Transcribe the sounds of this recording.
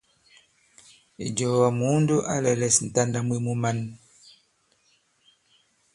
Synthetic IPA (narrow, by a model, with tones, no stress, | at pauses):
ḭ˨d͡ʒɔ˨wa˨mu˦ndu˦ʔa̰˦lɛ˨lɛ˨sn̩˨ta˦nda˦mwi˦mu˦ma˦n